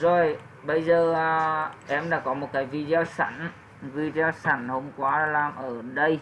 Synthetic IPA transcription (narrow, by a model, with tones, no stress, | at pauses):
zo˨˩j | ɓə˧jzəː˨˩ | ʔɛ˧mɗa̰ː˧˥kɔ˨˦mo˨˩t̚kaː˨˦jvi˧zə˧sa̰˧˩n | vi˧zi˧ə˧saː˧˩nho˧wmkwaː˨˦˧laː˨˩mʔəː˧˩ɗə˧j